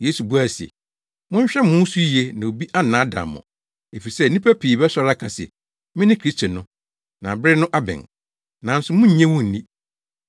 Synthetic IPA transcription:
je˦su˨bu˦a˦˨si˨ḛ˨ | mʊ̃˦ɲ˦ɕᶣɛ˦mʊ̃˦n˦su˦i˨e˦nã˨o˨bi˦ʔa˦nã˨˦da̰˨mːɔ̰̃˨ | e˨fi˨sɛ˦˨˦nĩ˦pʰæ˦pʰiː˨bɛ˦sɔ˦ɾa˦kʰã˨sɛ̰˨ | mɪ̃˦nɪ̃˦kʰɾi˦stʰo˨nʊ̃˦ | nã˨bɪ˦nʊ̃˦ʔa˦bɪ̰̃˨n | nã˨n̩˦sʊ˦mʊ̃˦ɲ̩˦ɲɛ̃˦wũ˦˨n̩˨nĩ˦

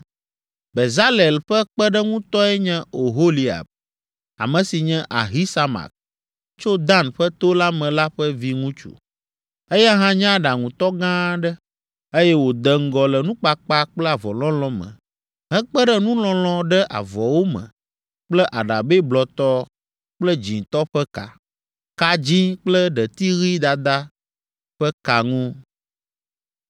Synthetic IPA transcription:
be˨za˦lɛ˨lɸɛ˦k͡pɛ˦ɖɛ˦ŋũ˦t̪ɔ˦ɛ˦ɲɛ̃˦o˨ɦo˦li˦a̰˨b̚ | a̰˨mɛ̃˨si˨ɲɛ̃˦ʔa̰˨ɦi˦sa˦ma̰˨k̚ | t͡ʃo˦d̪ã˦nɸə˦t̪o˦la˦mɛ̃˨la˦ɸɛ˦vi˦ŋũ˦t͡ʃṵ˨ | e˦ja˦ɦã˦ɲã˦ɖa˨ŋũ˨t̪ɔ˦ɡã˦ɖɛ˦ | e˦jɛ˦wo˨d̪ɛ˨ŋ̩˦˨ɡɔ˨lɛ˨nũ˦k͡pa˨k͡pa˦k͡plɛ˦a˨vɔ˨lɔ̃˦lɔ̃˦mə̰̃˨ | ɦɛ̃˦k͡pə˦ɖə˦nũ˦lɔ̃˦l̃ɔ̃˦ɖə˦ʔa̰˨vɔ˨wo˦mə̰̃˨ | k͡plɛ˦ʔa˨ɖa˨be˦blɔ˨t̪ɔ˦ | k͡plə˦d͡ʑĩ˨t̪ɔ˦ɸɛ˦ka̰˨ | ka˨d͡ʑĩ˦k͡plə˦ɖə˨t̪i˦ɣi˦d̪a˨d̪a˦ | ɸə˦ka˨ŋũ˦

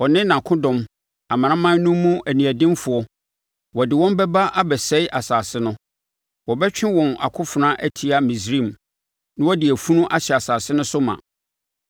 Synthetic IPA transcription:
wɔ˨nɪ̃˦nã˨kʰʊ̃˦dɔ̃˨m | a˨mã˨nã˦mã˦n˦nũ˦mːũ˦ʔæ˨nĩ˨æ˨dɪ̃˦mfʊ˨ɔ˦ | wɔ˨dɪ˨wɔ̃˦m˦bɛ˦ba˦ʔa˦bɛ˨sɛ˦ɪ˦ʔa˨saː˨sɪ˦nʊ̃˦ | wɔ˨bɛ˦t͡ɕᶣɪ̃˦wɔ̃˨na̰˨kʰʊ̃˦fʊ˨nã˦ʔæ˦tʰi˨a˦mĩ˨s̬ɾĩ˦˨m | nã˦wɔ˦dɪ˨æ˨fu˦nũ˦ʔa˦ɕɛ˨a˨saː˨sɪ˦nʊ̃˦sʊ˦mã̰˨

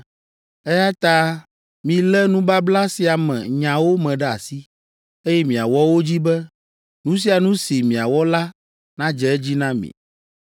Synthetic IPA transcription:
ɛ˦ja˦t̪a˦ | mĩ˨lɛ˦nũ˦ba˦bla˦si˦a˨mɛ̰̃˨ɲã˨wo˦mɛ̃˨ɖɛ˦a˨si˦ | e˦jɛ˦mĩ˨a˨wɔ˦wo˦d͡ʑi˦bɛ˦ | nũ˦s̬i˦a˨nũ˦si˨mĩ˨a˨wɔ˦la˦ | nã˦d͡ʒɛ˨ɛ˦d͡ʑi˦nã˦mḭ̃˨

